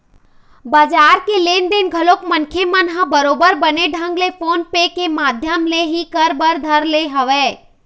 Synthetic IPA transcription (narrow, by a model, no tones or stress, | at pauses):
baːd͡ʒaːɾkeleːnd̪enɡʱəloːkmənkʰemənɦəbəɾoːbəɾbəneɖʱə̃ŋɡlefoːnpekemaːd̪ʱjəmleɦikəɾbəɾd̪ʱəɾleɦəʋeː